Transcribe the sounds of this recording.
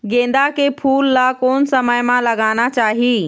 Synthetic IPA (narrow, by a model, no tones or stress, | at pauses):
ɡẽːn̆d̪akepʰuːlːakoːnsəməjmãlɐɡaːnat͡ʃaːɦiː